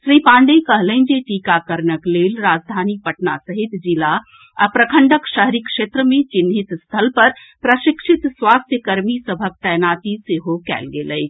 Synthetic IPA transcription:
ʃɾipãːɳɖekəɦlənd͡ʒeʈikakəɾnəkleːlɾaːd͡ʒd̪ʱaːnipəʈna̰səɦit̪d͡ʒila | apɾəkʰəɳɖəkʃəɦɾikʃeːt̪ɾəmẽt͡ʃinɦit̪st̪ʰəlpəɾ | pɾəʃɪkʃit̪swaːst̪ʰjəkəɾmisəbʱək̚t̪ɛjnaːt̪iseɦokɛ̰ːlɡeːləj

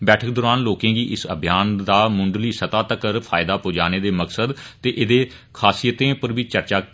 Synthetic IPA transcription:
bɛːʈʰək̚d̪oːɾaːnloːkẽːɡiːʔɪsəbʱjaːnd̪aːmʊ̃ɳɖliːsət̪aːt̪əkəɾpʰaːɪd̪aːpoːd͡ʒaːneːd̪eːməksəd̪t̪eːʔɪd̪eː | kʰaːsiːjət̪ẽːpəɾbiːt͡ʃəɾt͡ʃaː

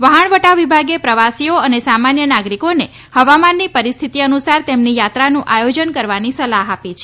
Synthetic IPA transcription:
ʋəɦəɳʋəʈaʋibʱaɡepɾəʋasioənesamanjənaɡɾikone | həʋamanːipəɾist̪ʰit̪iənusaɾt̪emnijat̪ɾanũʔajod͡ʒənkəɾʋanisəlaɦapit͡ʃʰe

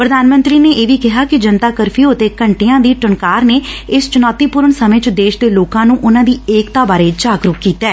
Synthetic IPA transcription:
pɾəd̪aːnmə̃nt̪ɾiːneːʔeːʋiːkɪɦaːkɪd͡ʒənt̪aːkəɾpʰiːʊt̪eːkəɳʈeːãːd̪iːʈəɳkaːɾneːɪst͡ʃʊnɔːt̪iːpʊɾəɳsəmẽːt͡ʃd̪eːʃd̪eːloːkãːnũːʔʊnãːd̪iːeːkt̪aːbaːɾeːd͡ʒaːkɾʊkːiːt̪ɛː

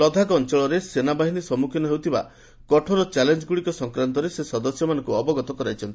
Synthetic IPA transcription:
ɔd̪ʱakɔnt͡ʃɔɭɔɾesenabaɦinisɔmukʰinɔɦewt̪ʰiba̰ | kɔʈʰɔɾɔt͡ʃalend͡ʒɡuɽikɔsɔŋkɾant̪ɔɾesesɔd̪ɔsjɔmanɔ̃ŋkuɔbɔɡɔt̪ɔkɔɾajt͡ʃʰɔnt̪i̥

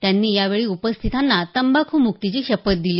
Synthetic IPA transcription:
t̪janːiːjaʋeɭiːupəst̪ʰit̪anːat̪əmbakʰuːmukt̪it͡ɕiːɕəpət̪̚d̪iliː

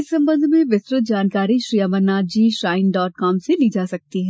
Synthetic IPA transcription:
ɪsɐ̃mbə̃nd̪ʱmẽʋɪsɾɪt̪̚d͡ʒaːnkaːɾiʃɾijaːməɾnaːd̪̚d͡ʒiːʃɾaːɪnɖɔːʈ̚kɔːmseliːd͡ʒaːsɐk̚t̪iɦɛː

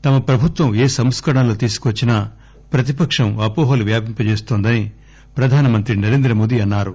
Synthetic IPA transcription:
t̪ɐmɐpɾɐbʱut̪ʋɐmeːsɐmskɐɽɐnloːt̪iːsu̥kʋɐt͡ʃːinɐ | pɾɐt̪̬ipɐkʂɐmɐpoːɦoːluʋjaːpimpɐt͡ʃe̞ːst̪oːnd̪ɐni | pɾɐd̪ʱaːnɐmɐnt̪ɾinɐɾeːnd̪ɾɐmoːd̪iɐnːaːɾu

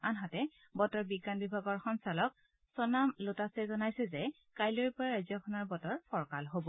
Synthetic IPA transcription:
anɦatɛ | bɔtɔɹbiɡanbibʱaɡɔɹxɔnsalɔk̚ | sɔnamlotasɛzɔnajsɛzɛ | kajlojpɔɹaɹazjɔkʰɔnɔɹbɔtɔɹpʰɔɹkalɦobɔ

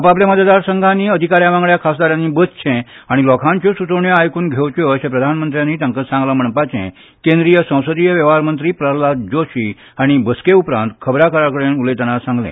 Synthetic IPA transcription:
apap̬lẽməd̪ad̪aɾsə̃ŋɡʱanːiːəd̪ʱikaɾjaʋãŋɡɭjakʰasd̪aɾjãnːiːbədt͡ɕʰɛ̃aɽ̃ilɔkʰãɲt͡ɕosut͡səwɳjəajkuːnɡʱewt͡ɕoəɕẽpɾəd̪ʱanmənt̪ɾjãnːiːt̪jãŋkasãŋɡlam̤əɳpat͡ɕɛ̰̃ | kẽnd̪ɾijəsə̃w̃səd̪ijəʋjəʋaɾmənt̪ɾiːpɾəlad͡ʑoɕiː | aɽ̃ibəskeupɾã̰nt̪kʰəbɾakəɾakəɽenulet̪anasãŋɡlḛ̃

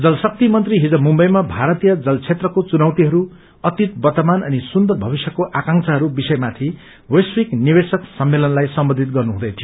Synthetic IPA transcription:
d͡zʌlsʌk̚t̪imʌnt̪riɦid͡zʌmumbʌjmabʱaɾʌt̪ijʌd͡zʌlt͡sʰet̪rʌkot͡sunawt̪iɦʌɾu | ʌt̪it̪̚bʌt̪ʌmanʌnisund̪ʌbʱʌbisjʌkoʔakãŋt͡sʰʌɦʌɾubisʌjmat̪ʰi | wʌjswiknibesʌksʌmːelʌnlajsʌmbʌnd̪ʱit̪̚ɡʌrnuɦũd̪ʌjt̪ʰijo

